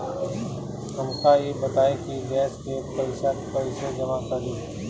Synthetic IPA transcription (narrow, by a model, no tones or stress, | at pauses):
ɦəmkajeːbət̪aːekiɡɛːskepəɪʃaːt̪kɐɪsed͡ʒəmakəɾeː